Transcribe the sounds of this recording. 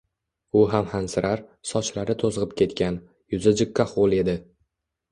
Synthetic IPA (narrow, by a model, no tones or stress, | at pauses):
ʊɦamhansɪɾaɾsɒt͡ʃlaɾɪt̪ʰozʁɨp̚kʲʰe̞t̪kʲan | jʊzɪd͡ʒɪkʰːaχolˠe̞d̪ɪ